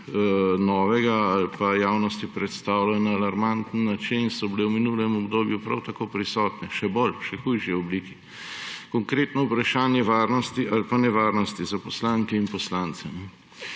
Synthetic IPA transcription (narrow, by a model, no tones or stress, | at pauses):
nɔːʋɛɡaalpajaːwnɔst̪ipɾɛt̪st̪aːwlajnaːlaɾmant̪n̩ːat͡ʃinsɔbilewminulɛmɔbd̪oːbjupɾa̰wt̪akoːpɾisɔːt̪nɛʃɛbolʃɛxujʃiɛɔbliːki | kɔŋkɾeːt̪nɔupɾaʃaːnjɛʋaːɾnɔst̪iʔalpanɛʋaːɾnɔst̪izapɔslaːŋkɛinpɔslaːnt̪sɛ